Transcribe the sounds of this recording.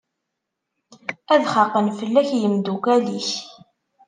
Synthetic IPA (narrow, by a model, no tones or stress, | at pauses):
æðχɑqːənfəlːæçjəmd̪ukæliç